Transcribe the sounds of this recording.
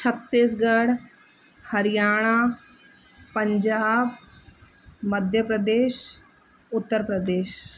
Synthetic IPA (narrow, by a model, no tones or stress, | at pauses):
t͡ʃʰət̪ːiːsɡəɽ | həɾɪjaːɽ̃aː | pəɲd͡ʒaːb | məd̪ʱjəpɾəd̪eːʃ | ʊt̪ːəɾpɾəd̪eːʃ